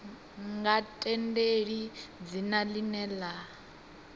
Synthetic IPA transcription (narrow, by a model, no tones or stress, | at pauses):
ŋɡatʼɛndeɺid͡zinalinɛːla